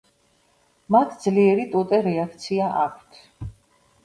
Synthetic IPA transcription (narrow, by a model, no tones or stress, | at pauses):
mat̪ʰd̪zliɛɾit̪ʼut̪ʼɛɾɛakʰt̪sʰiaʔa̰kʷʰt̪ʰ